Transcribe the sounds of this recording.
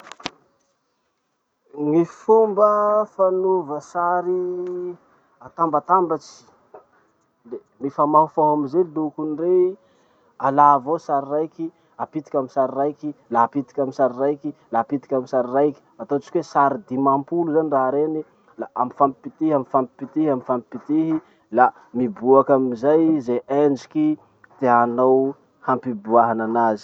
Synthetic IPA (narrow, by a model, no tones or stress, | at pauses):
ŋifumbəfanuvəsaɾi | at̪ambat̪ambat͡si̥ | l | nifamaɦufaɦamizelilukunire | alavosaɾirajki | apit̪ikʲaminsaɾirajkilapit̪i̥kʲamisaɾirajkilapit̪i̥kʲamisaɾirajki̥at̪ot͡ʃi̥kʲwesaɾid̪imampuluzaniraɾeni | laʔamifampi̥pit̪iɦamifampi̥pit̪ihamifampipit̪iɦi | la | mibuakamizajzeʔand͡ʒi̥ki | t̪eanaw | hampibuaɦananazi̥